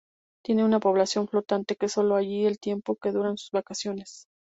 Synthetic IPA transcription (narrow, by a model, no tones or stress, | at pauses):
t̪je̞ne̞unapo̞β̞lasjo̞ɱflo̞t̪ant̪e̞keso̞lo̞aʝie̞lt̪je̞mpo̞ke̞ðuɾaensu̥zβakasjo̞ne̞s